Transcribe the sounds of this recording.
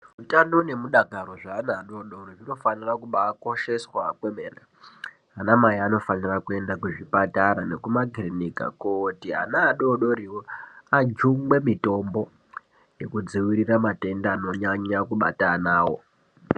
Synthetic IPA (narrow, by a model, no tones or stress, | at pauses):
utanone̞muɗaɡʱaɾo̞ʐaːnaːɗo̞ɗoriʐino̞fanirakuɓaːko̞ʃe̞swakwemena | ɦanamajiano̞fanirakue̞ndakuʐipataɾane̞kumaɡrinika̰kotiɦa̰naːɗoɗo̞ɾiwoad͡ʒuŋɡwe̞mito̞mbo̞ | je̞kud͡ziwiɾiramate̞ndaːno̞ɲaɲakuɓa̰tanaːwo̞̰